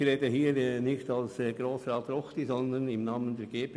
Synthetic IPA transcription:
ɾeːdəhiːɾɛnɪçtɑlsɛɡɾoːsɾɑːtrɔxtizɔnd̪ənɪmnaːməndeːɾɡ̥eːp

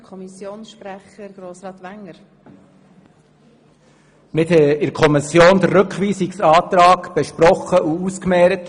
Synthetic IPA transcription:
kʰɔmisjoːnsʃpɾæχəɾɡ̥ɾoːsɾɑːt̪ʋæŋəɾ | nɪt̪hɛɪɾkʰɔmɪsjoːnd̪ərːɵkχʋiːsɪksɑːt̪ɾɑːkb̥ɛʃpɾɔχəʔuuskmɛːɾət

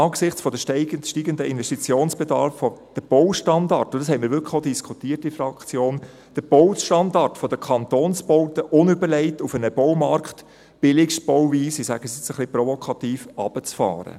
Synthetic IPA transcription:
ɑːksɪχt͡sfɔdəʃtʃtiːɡəndəɪnʋɛstit͡sjoːnsb̥edɑ̰ɾfːɔd̥əb̥ɔwʃtɑndɑrtʊnd̥ɑshɛɪmɪɾʋʏɾkʰəχodiskʰutiːərtifɾɑkt͡sjoːn | d̥əb̥ɔwʃtɑndɑrtfɔdəkʰɑnt̪oːnsb̥ɔʊtəʔʊnʏbəɾlɛɪtufənəb̥ɔwmɑrkt | b̥ɪlɪksb̥ɔwviːsisæɡ̥əsɛt͡səχlɪprɔvɔkʰɑtiːfɑ̰b̥ət͡sfɑ̰ːɾə̰

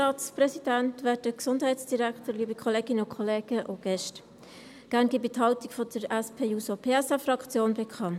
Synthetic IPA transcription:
ɑːtt͡sprɛsid̥æntʋɛt̚dəksʊndhɛɪtsd̥iɾæktəɾliːbikʰɔleːɡɪnəʊkʰχɔleːɡ̥əʔoɡ̥ɛʃt | ɡ̥æːɾnɡ̥ɪːbithɑʊtikfɔdəɾɛspʰeːuːsopʰeːɛsafrɑkt͡sjoːnbekʰχɑnt

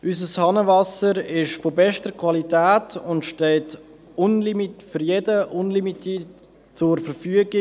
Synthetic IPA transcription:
ʔysəshɑnəvɑsəɾɪʃfobɛʃtəɾkʰvwɑlitæːtʰʊntʃtɛlt | ʊnlimifʏɾjedəʔʊnlimitʰit | t͡sʊɾfəɾfyəɡi

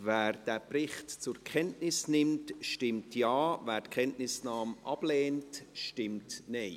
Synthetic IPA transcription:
vɛːɾd̥æːprɪχtt͡sʊɾkʰɛntnɪsnɪmtʃtɪmtjɑːvæːɾtkʰɛntnɪsnɑːmʔɑb̥leːntʃtɪmtneɪ

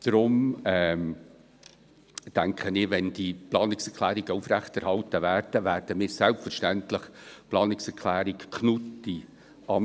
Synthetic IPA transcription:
d̥ɾʊmɛm | d̥æŋkʰχənɪʋɛnd̥iplɑːnɪksɛɾkʰlæːɾiɡəufɾæχtɛɾhɑltəvæːrd̥əvæːɾd̥əmɪːɾsɛlpfəɾʃtæntləχplɑːnɪksɛɾkʰlæːɾikkʰnutːi | ɑ

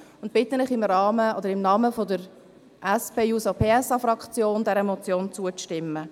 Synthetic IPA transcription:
ʊnt̚b̥ɪt̪ːənɪχɪmrɑːməɔdəɾɪmnɑːməfod̪əɾ | ʔɛspʰeːjuːsopʰeːɛsɑfɾɑkχt͡sjoːnd̥ɛɾəmɔt͡sjoːnt͡suətɪmːə

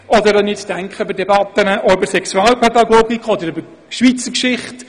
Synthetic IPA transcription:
ʔɔd̪əɾɔnɪt͡sd̥æŋkχəøbəɾdɛbɑt̪ːənəʔɔybəɾsɛkswɑːlpʰɛd̪ɑɡoːɡikχɔd̪əɾʏbə | ʃʋit͡səkʃɪχt

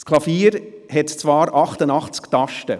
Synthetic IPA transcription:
skʰlɑfiːɾhɛtt͡svɑːɾɑχtənɑχt͡sktɑʃtə

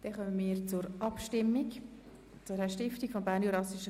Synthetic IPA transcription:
d̥ɛχœməmiːɾt͡sʊɾʔɑpʃtɪmːik | t͡sʊɾɛʃtɪftikfɔmbæːɾnjuɾɑsiʃə

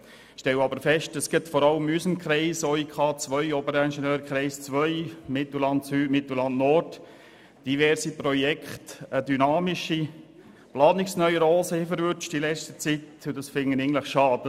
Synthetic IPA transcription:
ʃtɛlɑbəɾfɛʃtəsɡ̥ɪtfɔɾɑləmysəmkχɾɛɪsɔikʰɑːt͡sʋœʏɔbəɾɛnʃənøːɾkʰʁɾɛɪst͡sʋœʏmɪt̪l̩lɑntsyːdmɪt̪l̩lɑndnɔrd | d̥ivɛɾsipɾɔjɛkχtədynɑːmɪʃi | plɑːnɪksnœʏəɾɔːsəifəɾvʏt͡ʃtilɛt͡stət͡sitʊdɑsfɪŋːənɪən̩dləχʃɑːdə

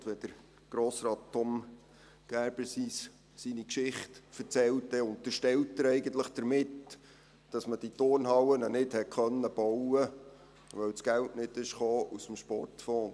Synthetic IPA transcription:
tʋɛd̥̪əɾ | ɡ̥ɾoːsɾɑːtʰːɔm | ɡ̥æɾbəsis | sinikʃɪχtfəɾt͡sɛlt̚dɛʊnt̪əɾʃtɛltːəɾɛɪɡənt̪ləχd̥əɾmɪt | d̥ɑsməd̥itʊrnhɑwənənɪdhɛχœnːəb̥ɔwə | ʋœwsɡ̥æltnɪdɪʃχoːʔusəm̩ʃpɔ̰rtfɔːn

